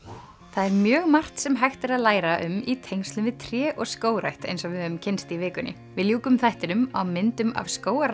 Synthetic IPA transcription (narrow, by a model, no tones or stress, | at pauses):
θaðɛɾmjœːɣmar̥t̪sɛmɦajxt̪ɪɾaðlaːjɾaʔʏmit̪ʰejnst̪lʏnvɪðt̪ʰɾjɛːʔɔɣskoːwɾajht̪ḛjnsɔvɪðhœːʏmcʰɪnst̪ɪivɪːkʏnːɪ̰ | vɪðljuːkʏmθajht̪ɪnʏmawmɪnt̪ʏma̰vskoːwaɾ